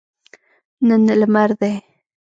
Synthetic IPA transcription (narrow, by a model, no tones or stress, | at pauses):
nənələmaɾðe